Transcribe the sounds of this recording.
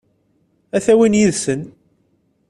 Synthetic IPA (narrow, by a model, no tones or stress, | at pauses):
æθæwinjiðsən